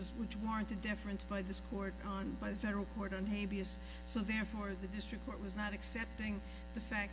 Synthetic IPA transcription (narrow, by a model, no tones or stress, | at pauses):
zwɨt͡ʃwɔɹɨ̃ntɨdɪfɹɨ̃nsb̥aɪðɪskʰɔɹɾn̩baɪðɨfɛɾə˞l̩ˠkʰɔɹɾn̩ɦeɪbiɨsː | oʊðɛɹfɔɹðɨdɪstɹ̥ɨkʰːɔɹʔ̚wʌznəɾɨksɛp̚tɪ̃ŋ | ðɨfæk̚